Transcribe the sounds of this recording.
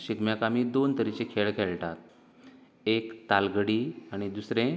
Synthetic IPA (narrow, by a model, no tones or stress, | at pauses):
ɕikmjakamiːd̪ont̪əɾit͡ɕekʰeɭkʰeɭʈat̪̚ | ekt̪alɡəɽiaɽ̃id̪usɾẽ